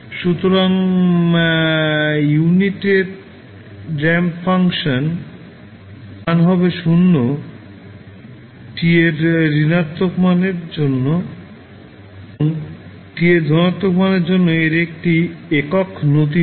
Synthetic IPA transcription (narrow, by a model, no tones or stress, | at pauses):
ʃut̪oɾaŋ | juniʈeɾ | ɾɛmfʰaŋʃan | anɦɔbeʃunːo | ʈieɾːinat̪ːokmaneɾd͡ʑonːo | oŋ | ʈieɾd̪ʱɔnat̪ːokmaneɾd͡ʑonːoeɾek̚ʈiekokʰnot̪̬i